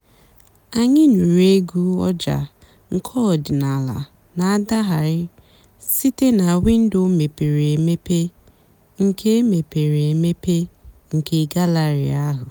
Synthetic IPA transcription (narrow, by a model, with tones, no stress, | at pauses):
a˨ɲɪ˦nu˨ɾe˦ɡu˦ɔ˦d͡ʒa̰˨ | ŋ̩˨kʰɔ˦˨dɪ˨na˨la̰˨ | na˨a˦da˦ɦa˨ɾɪ˦ | si˦te˦na˨wɪ˦n̩˦do˦me˨pe˨ɾe˨e˨me˦pe˦ | ŋ̩˨kʰe˦e˦me˨pe˨ɾe˨e˨me˦pe˦ŋ̩˨kʰe˨ɡa˦la˨ɾɪ̰˨a˦ɦʊ˨